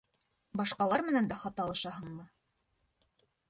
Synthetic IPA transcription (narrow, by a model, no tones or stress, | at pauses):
bɑʃqɑlˠɑɾmɘ̆nænd̪æχɑt̪ɑlˠɤ̆ʃɑɦɤɴmɤ